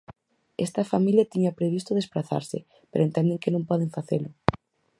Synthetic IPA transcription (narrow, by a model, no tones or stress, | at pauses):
ɛ̰st̪ɐfamiljat̪iɲɐpɾeβist̪ʊðespɾaθa̰ɾsɪ̰ | peɾoent̪ɛnd̪eŋkenõŋpɔðeŋfaθelʊ